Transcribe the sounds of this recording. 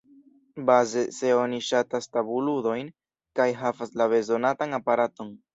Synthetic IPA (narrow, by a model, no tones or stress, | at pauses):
baze̞se̞o̞niʃatastabuludo̞jn | kajɦavaslabe̞zo̞natanapaɾato̞n